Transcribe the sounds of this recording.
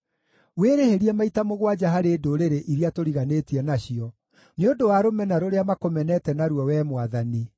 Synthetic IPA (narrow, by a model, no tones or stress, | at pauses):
weɾeheɾiɛmaitamoɣwad͡ʒaɦaɾeːdoɾeɾeʔiɾiatoɾiɣanetiɛnaɕiɔ | neodowaɾomɛnaɾoɾeamakomɛnɛtɛnaɾwɔwɛmwaðani